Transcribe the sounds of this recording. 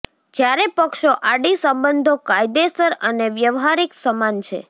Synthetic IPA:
d͡ʒjaɾepəkʃoʔaɽisəmbənd̪ʱokajd̪esəɾəneʋjəʋɦaɾiksəmant͡ʃʰḛ

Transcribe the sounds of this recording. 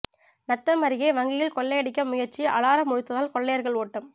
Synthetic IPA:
nɐt̪ːɐmɐɾɪɣeːʋɐŋɡɪjɪlkɔɭːɐjɐɽɪkːɐmʊjɐɾt͡ʃiʔɐ̰laːɾɐmʊɻɯt̪ːɐðaːlkɔɭːɐjɐɾɣɐɭoːʈːɐm

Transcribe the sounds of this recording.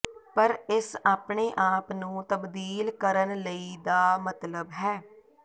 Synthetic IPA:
pəɾɪsaːpɳeːʔaːpnũːt̪əbd̪iːlkəɾənləiːd̪aːmət̪ləbɦɛː

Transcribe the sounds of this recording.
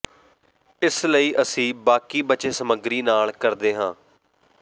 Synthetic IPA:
ɪsləiːʔəsĩːbaːkiːbət͡ʃeːsəməɡɾiːnaːlkəɾd̪eːɦãː

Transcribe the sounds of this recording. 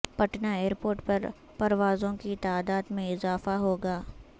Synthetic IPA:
pɐʈnaeːɾpoːɾʈpɐɾ | pɐɾʋaːzõkit̪aːd̪aːd̪mẽɪzaːfaɦoːɡaː

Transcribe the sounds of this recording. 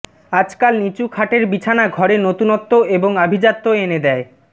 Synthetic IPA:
ad͡ʑkalnit͡ɕukʰaʈeɾbit͡ɕʰanaɡʱɔɾenot̪unɔt̪ːoeboŋabʱid͡ʑat̪ːoened̪ɛe

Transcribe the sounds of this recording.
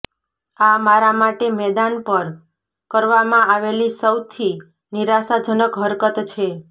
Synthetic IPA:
amaɾamaʈemɛd̪anpəɾ | kəɾʋamãaʋelisəwt̪ʰi | niɾasad͡ʒənəkɦəɾkət̪t͡ʃʰe

